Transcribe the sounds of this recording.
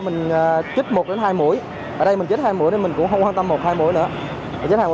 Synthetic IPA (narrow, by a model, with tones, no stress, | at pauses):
mï˨˩ŋ̟ː˨˩t͡ɕi˦˥t̚mo˨˩t̚ɗe˨˦nhaː˧jmṵ˧˥əj | ʔəː˨˩ɗə˧jmï˨˩ŋ̟t͡ɕə˦˥t̚haː˧jmu˧˥jne˧nmï˨˩ŋ̟kʊ̰˧˥ŋ͡mxə˧wŋ͡mkwaː˧nt̪ə˧mːo˨˩t̚haː˧jmṵ˧˥əjnɨ̰˧˥ə˨˩ | t͡ɕə˦˥haː˧mu˧